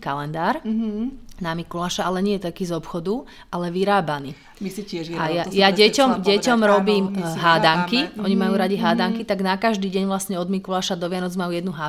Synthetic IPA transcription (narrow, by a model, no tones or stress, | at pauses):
kalɛnd̪aːɾ | namikulaːʃaalɛɲɪɛt̪akiːzɔpxɔd̪u | ʔalɛʋiɾaːbaniː | misicɪɛajajaɟɛcɔmɟɛcɔmɾɔbiːmɦaːd̪aŋkiʔɔɲimajuːɾaɟiɦaːd̪aŋkit̪aɡnakaʒd̪iːɟɛɲʋlasɲɛɔd̪mikulaːʃad̪ɔʋɪanɔd͡zmajuːjɛd̪nuɦa